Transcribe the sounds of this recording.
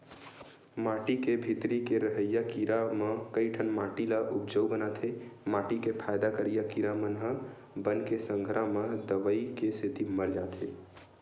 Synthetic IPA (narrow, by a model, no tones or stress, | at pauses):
maʈikebʱit̪ɾikeɾəɦəjakiɾaməkəjʈʰənmaʈilaʔupd͡ʒəwbənat̪ʰemaʈikepʰajd̪akəɾijakiɾamənɦə | bənkesəŋɡʱɾaməd̪əʋəikeset̪iməɾd͡ʒat̪ʰe